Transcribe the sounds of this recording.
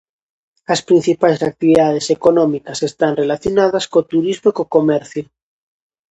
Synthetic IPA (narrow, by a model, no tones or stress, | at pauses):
ɐspɾin̟θipajsak̚t̪iβiðað̞esekonɔmikasest̪anrelaθjonaðɐskot̪uɾizmoikokomɛɾθjo